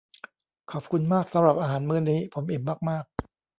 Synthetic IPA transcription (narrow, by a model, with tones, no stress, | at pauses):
kʰɔː˨˩p̚kʰu˧nmaː˥˩k̚sa˩˦mɾa˨˩p̚ʔaː˧ɦaː˩˦nmɯː˧˥nːiː˦˥pʰo˩˦mʔi˨˩p̚maː˥˩k̚maː˥˩k̚